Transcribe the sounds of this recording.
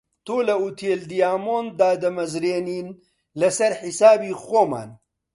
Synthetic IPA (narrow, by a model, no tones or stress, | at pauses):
t̪oːlɐut̪ʰeːld̪ijaːmoːnd̪aːd̪ɐmɐzɾeːniːn | lɐsɐɾħisaːbiːxoːma̰ːn